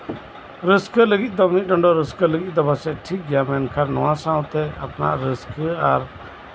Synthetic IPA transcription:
ɾəskələɡit̪̚ˀd̪ɔmit̪̚ɖɔɳɖɔɾəskələɡit̪̚ˀd̪ɔbasɛʈʰik̚ɡjamɛnkʰaɾnɔ̰wãsãw̃t̪ɛa̰pna̰ʔɾəskaɾ

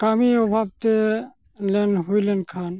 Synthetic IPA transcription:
kaːmiobʱaːb̚t̪e | lenɦuilenkʰaːn

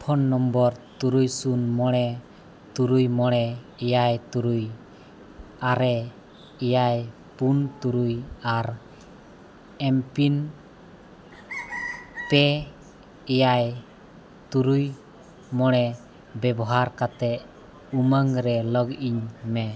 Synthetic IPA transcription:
pʰɔnːɔmbɔɾt̪uɾujsunmɔɽ̃ɛ | t̪uɾujmɔɽ̃ɛː | jajt̪uɾuj | aɾɛ | ɛjaj | punt̪uɾujaɾ | ɛmpin | pɛ | ɛjaj | t̪uɾuj | mɔɽ̃ɛ | bɛbɔɦaɾkat̪ɛʔ | uməŋɾɛlɔɡiɲmɛ

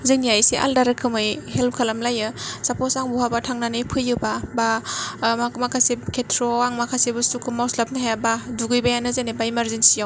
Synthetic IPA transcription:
zɯŋnijajseʔa̰ldaɾɯkʰɯmɯjhelp̚kʰalamlajɯsapʰosaŋbuɦabatʰaŋnanɯjpʰɯjɯbabamakmakʰasekʰetʰɾoaŋmakʰasebɯsukʰɯmawslap̚naɦajabaduɡɯjbajanɯzenebaimaɾzensijaw

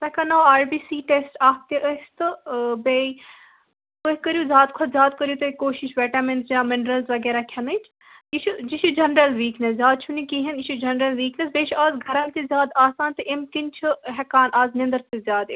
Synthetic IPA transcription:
t̪ɐkʰɐnaːaːɾbiːsiːʈesʈaːp̚t̪eʔəst̪ɨbei | koɦikɐɾjuzʲjaːd̪kʰʊt̪zʲjaːd̪̚kɐɾjut̪ɐkoːʃiʃʋɛːʈɐment̪jaːmɪnɾɐlzʋɐɡɛːɾakʲʰɐnɐit͡ʃʰ | iʃʰud͡ʒiʃud͡ʒɐnɾɐlʋiːknɐszʲjaːd̪̚t͡ʃʰunikiɦɐniʃʰud͡ʒɐnɾɐlʋiːknɐs̬beːt͡ʃʰʔaːzɡʱɐɾɐmt̪izʲjaːd̪aːsaːnt̪ɨʔimkint͡ʃʰuɦɛkaːnʔaːznɐ̃nd̪əɾt̪izʲjaːd̪

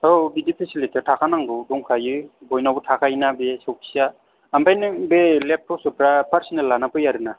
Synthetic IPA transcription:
obidipʰesilitʰitʰakʰanaŋɡɯdɔŋkʰajɯbɔjnawbɯtʰakʰajnabesɔwkʰi̥sa | ampʰajnɯŋbelep̚tʰɔp̚sɯpɾapʰaɾsɔnelːanapɯjaɾɯna

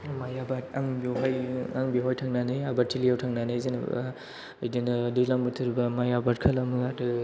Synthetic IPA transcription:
majabataŋbiɦajaŋbiɦɔjtʰaŋnanajabatʰilijawtʰaŋnanajzin̰ | jdinɯdɯlaŋbɯtʰɯɾbɐmajabat̚kʰɐlɐmɯadɯ

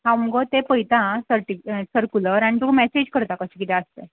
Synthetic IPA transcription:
ɦãumɡot̪epəjt̪ãsəɾʈisəɾkuləɾaɽ̃it̪umɛsed͡ʑkəɾt̪akəɕekit̪ẽəst̪ẽ

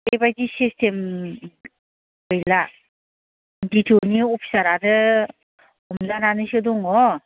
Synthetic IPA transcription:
ebajdisistʰem | bɯjla | nditʰioniɔpʰi̥saɾadɯ | ɔmlananɯsɯdɔŋɔ

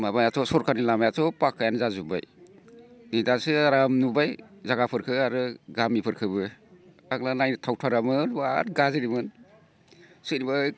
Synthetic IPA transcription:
mamajatʰɔsɔɾkʰanilamajatʰɔpakʰːajanzazuba̰j | nidasɯɾamnubajzaɡapʰɯɾkʰɯaɾɯɡamipʰɯɾkʰɯbɯ | aɡlanajnitʰawtʰaɾamɯnbaɾɡaziɾimɯn | sɯniba

